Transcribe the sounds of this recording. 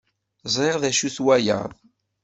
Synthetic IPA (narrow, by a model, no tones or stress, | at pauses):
zˤɾɪʁðæʃuθwæjə̰ðˤ